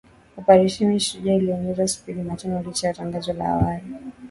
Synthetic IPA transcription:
upaɾiʃimiʃuʄailiɔɲɛzasi̥piɾimat͡ʃɛnɔlit͡ʃajataŋɡazɔla̰a̰wali

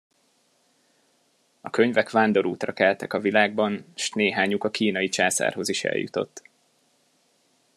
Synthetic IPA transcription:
ɒkø̞ɲvɛkʋaːnd̪o̞ɾuːt̪rɒkɛlt̪ɛkɒvilaːɡ̚bɒnʃneːɦaːɲukɒkiːnɒjit͡ʃa̰ːsa̰ːrɦo̞ziʃɛ̰ljṵt̪o̞̰t̪ː

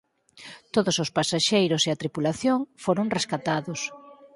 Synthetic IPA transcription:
t̪oðosospasaʃejɾʊseɐt̪ɾipulaθjoŋfoɾoŋreskat̪aðʊs

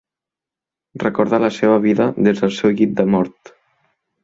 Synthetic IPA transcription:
rəkoɾðaləseβəβiðəðezðəlˠsɛwɣit̪̚d̪əmɔɾt̪

